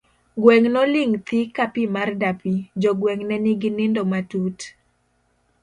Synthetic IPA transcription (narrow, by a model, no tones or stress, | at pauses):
ɡwɛŋnɔlɪŋt̪ikapimardapid͡ʒɔɡwɛŋnɛnɪɡɪnɪndɔmatut